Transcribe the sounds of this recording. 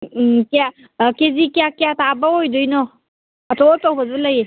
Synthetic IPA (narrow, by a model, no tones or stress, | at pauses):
kija | kezikijakjatabaɦojdɔjnɔː | tɔtawbɐzɯləje